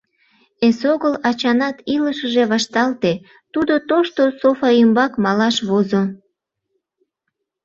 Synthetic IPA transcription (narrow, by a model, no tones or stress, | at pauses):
esoɣəlɑt͡ɕɑnɑt̪iləʃəʒeβɑʃt̪ɑlt̪e | t̪ud̪ot̪oʃt̪osofɑəmbɑkmɑlɑʃβozo